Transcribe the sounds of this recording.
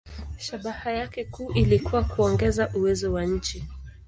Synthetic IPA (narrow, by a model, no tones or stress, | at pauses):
ʃaɓahajakɛkuːʔilikuwakuɔŋɡɛzaʔuwɛzɔwaɲ̩t͡ʃi